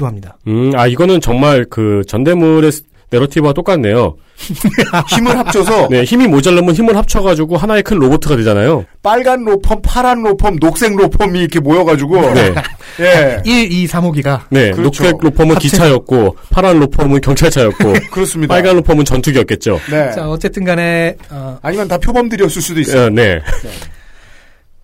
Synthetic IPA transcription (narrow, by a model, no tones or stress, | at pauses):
doɦamɲidaɯaiɡʌnɯnt͡ɕʌŋmaɭkɯt͡ɕʌnde̞muɾe̞s | ne̞ɾʌtʰibat͈ok͈anːe̞jo | çimɯɭhapt͡ɕʰʌsʰʌne̞çimimod͡ʑaɭːʌmɯnçimɯɭhap̚t͡ɕʰʌɣad͡ʑuɡoɦanae̞kʰɯnɾobotʰɯɡadwed͡ʑanajop͈aɭɡanɾopʰʌmpʰaɾanɾopʰʌmnok̚s͈e̞ŋɾopʰʌmiikʰe̞mojʌɡad͡ʑuɡone̞ | jeiɭisʰamoɡiɡane̞noks͈enopʰʌmɯnkit͡ɕʰajʌk̚k͈opʰaɾanɾopʰʌmɯnkjʌŋt͡ɕʰaɭt͡ɕʰajʌk̚k͈okɯɾʌs͈ɯmɲidpaɭɡanːopʰʌmɯnt͡ɕʌntʰuɡiʌk̚k͈e̞t̚t͡ɕ͈o̰net͡ɕaʌt͡ɕ͈e̞t͈ɯnɡane̞ʌaɲimjʌntapʰjobʌmdɯɾjʌs͈ɯs͈udoine̞̰